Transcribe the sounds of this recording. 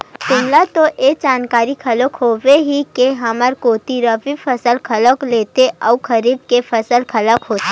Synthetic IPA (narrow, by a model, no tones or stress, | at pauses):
k̪ʊmlat̪oʔeːd͡ʒaːnkaːɾikʰɐləkɦoːʋeɦikeɦɐməɾkoːt̪iɾəbifʰɐsəlkʰɐləkleːt̪eʔɔːkʰɐɾiːb̚kefʰɐsəlkʰɐləkɦoːt̪e